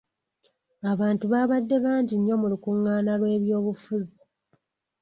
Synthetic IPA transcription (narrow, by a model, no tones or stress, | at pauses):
aβaːntuβaβadːe̞βaːɲɟiɲːo̞mulukuŋːaːnalwe̞ːβjo̞ːβufuzi